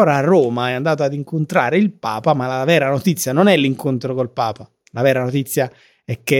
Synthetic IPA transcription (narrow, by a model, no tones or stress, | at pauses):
oːɾaːrːoːmaɛand̪aːt̪oad̪iŋkont̪ɾaːɾeilpa̰ːpamalavɛːɾanot̪it̪sːjanonɛlːiŋkont̪ɾokolpaːpa | lavɛːɾanot̪it̪sːja | ɛkːe